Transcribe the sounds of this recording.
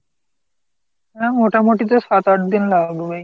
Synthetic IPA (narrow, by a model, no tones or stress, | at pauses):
amoʈamoʈit̪̬oʃat̪aʈd̪inlabubej